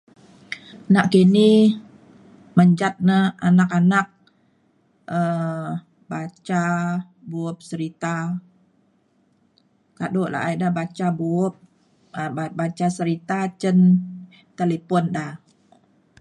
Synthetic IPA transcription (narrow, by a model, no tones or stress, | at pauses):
naʔkini | məɲd͡ʒat̪̚nəanakanak̚ | ʔə | bat͡ʃa | buʊp̚səɾit̪a | kadoʔla̰ʔidabat͡ʃabuʊp̚ | babat͡ʃasəɾit̪at͡ʃən | t̪elepɔnda